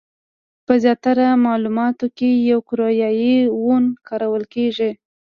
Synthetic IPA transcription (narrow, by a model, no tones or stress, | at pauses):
pəzjɑt̪aɾamɑlumɑt̪okejawkʊɾojɑjiwonkɑɾawəlkeʒi